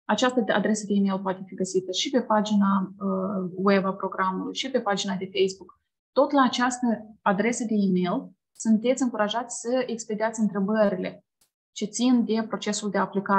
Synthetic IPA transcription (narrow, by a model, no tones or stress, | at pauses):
at͡ʃast̪əa̰d̪ɾe̞səd̪eime̞lp̬oat̪e̞fiɡəsit̪əʃipe̞pad͡ʒinaəwebapɾo̞ɡɾamulṵjʃipe̞pad͡ʒinad̪e̞fejsbuk | t̪o̞t̪laːt͡ʃast̪əad̪ɾe̞səd̪e̞imel | sunt̪e̞t̪sʲɨŋkuɾaʒat̪sʲsəeksplid̪iat̪sʲɨnt̪ɾe̞bəɾile̞̰ | t͡ʃe̞t̪sind̪e̞pɾo̞t͡ʃe̞suld̪e̞aplika